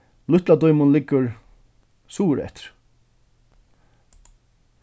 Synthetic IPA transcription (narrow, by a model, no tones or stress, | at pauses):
lʊht̪lad̪ɔjmʊnlɪkːʊɾ | suːɾɛ̰ht̪ɪ̥ɾ̥